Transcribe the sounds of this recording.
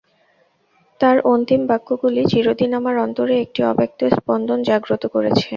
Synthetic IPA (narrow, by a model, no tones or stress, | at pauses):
t̪aɾont̪imbakːoɡulid͡ʑiɾod̪inamaɾɔnt̪oɾeek̚ʈiɔ̰pek̚t̪ospɔnd̪ʱond͡ʑaɡɾot̪okoɾet͡ɕʰe